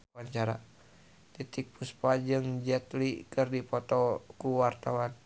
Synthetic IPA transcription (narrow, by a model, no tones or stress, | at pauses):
aɲt͡ʃaɾa | t̪it̪ik̚puspad͡ʒɨŋd͡ʒɛt̪likɨrdipɔt̪ɔkuwart̪awan